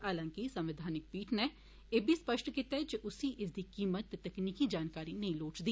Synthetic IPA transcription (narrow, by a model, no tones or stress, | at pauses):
aːlãŋkisɐ̃mʋɪd̪ʱaːnɪk̚piːʈne | eːbʱispəʃʈʰkit̪ed͡ʒeʔʊsiʔɪs̬d̪ikiːmət̪ːet̪ɛkniːkid͡ʒaːnkaːɾinɐɦĩloːt͡ʃd̪iː